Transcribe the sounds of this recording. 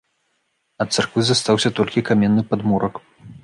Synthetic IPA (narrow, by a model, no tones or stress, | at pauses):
ɐt̪sarkvɨzast̪awsʲɐt̪ɔlʲkʲikamʲɛnːɨpad̪muɾɐk